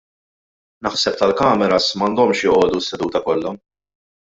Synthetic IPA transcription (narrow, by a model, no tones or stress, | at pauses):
nɐħsɛp̚t̪ɐlkɐːmɛɾɐsmɐnd̪ɔmʃjɔʔɔːd̪usːɛd̪uːt̪ɐkɔlːɐ